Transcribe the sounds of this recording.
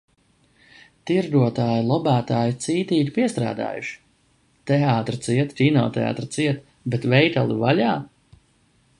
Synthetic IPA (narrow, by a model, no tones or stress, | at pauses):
t̪iɾd̪uɔt̪aːjilˠɔbæːt̪aːjit̪siːt̪iːk̪ʲpiɛst̪ɾa̰ːd̪a̰ːjṵʃi̥ | t̪ɛaːt̪ɾat̪siɛt̪ɾʲiːnɔ̰ːt̪ɛa̰ːt̪ɾat̪siɛt̪ | bet̪vɛjt̪alˠḭvaʎaː